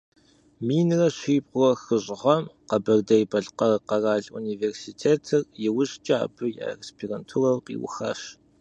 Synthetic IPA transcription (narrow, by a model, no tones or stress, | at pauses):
miːnrɐɕiːpqʷɔxɨɕʼʁɐmqɐbɐrdɐjbɐɮqɐrqɐraːɮṵniːversitʰeːtʰɨrjɪwʊɕt͡ʃʼaːbɨja̰ːrespʰirantʰurɐwqḭːwʊ̰xɐ̰ɕ